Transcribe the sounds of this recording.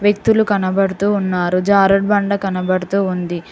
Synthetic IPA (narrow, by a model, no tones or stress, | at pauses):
ʋjek̚t̪ulukɐnɐbɐɽut̪uːnːaːɾud͡ʒaːɾɐɽ̚bɐɳɖɐkɐnɐbɐɽut̪uːund̪i